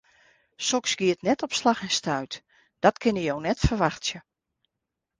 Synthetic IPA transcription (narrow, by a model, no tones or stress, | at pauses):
sɔksɡiətnɛtɔpslaxɪnstaɥt | d̥ɔtkʰɪnəjownɛtfərʋaxtsjə